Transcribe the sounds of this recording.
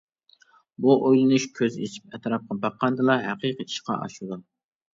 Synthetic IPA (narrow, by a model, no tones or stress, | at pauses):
buʔojlˠɨnuʃkʲʰøzḛt͡ʃʰi̥p̚ɛt̪ʰɾɑp̚qʰɑbɑqʰːɑnd̪ɨlˠɑɦæqʰiqəi̥ʃqʰɑ̰ʔɑ̰ʃɨd̪u